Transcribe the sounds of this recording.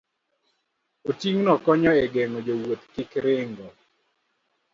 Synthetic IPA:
otiŋnɔkɔɲɔɛɡɛŋod͡ʒowot̪kɪkɾɪŋɡo

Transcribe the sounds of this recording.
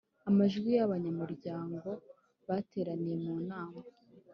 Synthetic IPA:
amaʒɡwijaβaɲamuɾɟaːŋɡo̞ | βate̞ːɾanije̞muːnaːma

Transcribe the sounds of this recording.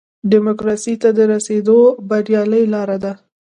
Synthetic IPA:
ɖɪmʊkɾɑsit̪ad̪əɾased̪obaɾjɑləjlɑɾad̪a

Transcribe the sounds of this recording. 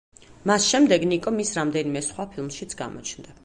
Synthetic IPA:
masʃɛmd̪ɛɡnikʼɔmisɾamd̪ɛnimɛsχwapʰilˠmʃit̪sʰɡa̰mɔ̰t͡ʃʰnd̪a

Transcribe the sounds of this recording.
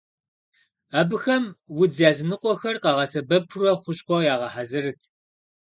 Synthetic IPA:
aːbɨxɐmwʊzaːzɨnɨqʷʼɔxɐrqɑʁɐsɐbɐpʰʊrɐχʷʊɕʼqʷɔjaːʁɐħazɨrɨtʰ

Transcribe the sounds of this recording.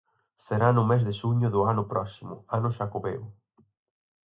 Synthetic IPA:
seɾanʊmezðɪʃuɲʊðʊanʊpɾɔsimʊ̰anʊʃakoβew

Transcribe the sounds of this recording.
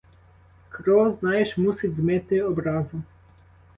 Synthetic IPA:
kɾɔznajɛʃmusidʲzmɛt̪ɪɔbɾazu

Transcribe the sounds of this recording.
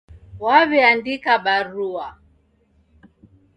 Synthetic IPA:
waβɛandikaɓaɾua

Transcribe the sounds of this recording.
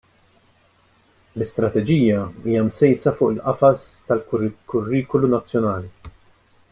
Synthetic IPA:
lɪst̪ɾɐt̪ɛd͡ʒiːjɐiːjɐmsɛjsɐfʊːʔɪlʔɐfɐst̪ɐlkʊrːiːkɔlunɐt͡sːjɔnɐːli

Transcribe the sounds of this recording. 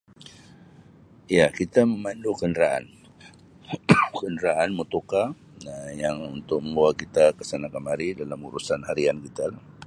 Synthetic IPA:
iakit̪aməmandukəndəɾaʔa̰n | kəndɾaanmut̪uka | ajaŋunt̪ʊk̚məmbualkit̪akəsanakamaɾidalamṵɾusanhaɾiankit̪alah

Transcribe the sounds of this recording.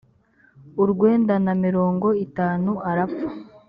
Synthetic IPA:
uɾɡwe̞ːndanamiɾo̞ːŋɡo̞itaːnuaɾapfu̥

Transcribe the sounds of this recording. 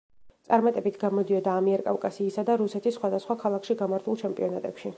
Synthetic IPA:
t̪sʼaɾmat̪ʼɛbit̪ʰɡamɔd̪iɔd̪aːmiɛɾkʼavkʼasiːsad̪aɾusɛt̪ʰisːχwad̪asχwakʰalˠakʰʃiɡamaɾt̪ʰulˠt͡ʃʰɛmpʼḭɔnat̪ʼɛpʃi

